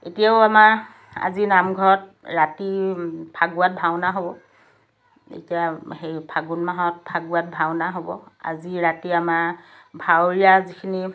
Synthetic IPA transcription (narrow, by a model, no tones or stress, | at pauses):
etijaʊama | a̰zinamɡʱɔɹɔt̚ɹatipʰaɡuat̚bʱawnaɦobɔ | ḛtijahejpʰaɡunmaɦɔt̚pʰaɡuat̚bʱawnaɦobɔa̰ziɹatiama | bʱawɹijazikʰini